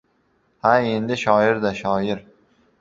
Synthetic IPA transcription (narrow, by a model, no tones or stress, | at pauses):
hae̞nd̪ɪʃɒɪɾd̪aʃɒɪɾ